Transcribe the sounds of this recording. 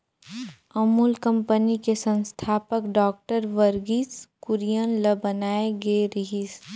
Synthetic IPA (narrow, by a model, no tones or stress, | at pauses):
əmuːlkə̃mpənikesə̃nst̪ʰaːpəkɖɔːk̚ʈəɾʋəɾɡiskʊɾijənləbənaːeɡeeɾiɦis